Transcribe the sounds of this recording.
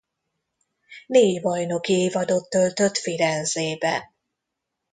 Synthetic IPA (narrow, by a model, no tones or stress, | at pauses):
neːɟbɒjno̞kieːvɒd̪o̞t̪ːølt̪øt̪fiɾɛnzeːbɛ̰n